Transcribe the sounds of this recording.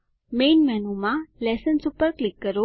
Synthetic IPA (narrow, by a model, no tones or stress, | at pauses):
menmɛnumãlɛsənsupəɾklikːəɾo